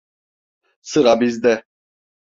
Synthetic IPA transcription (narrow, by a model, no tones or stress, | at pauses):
sɨɾabizd̪ɛ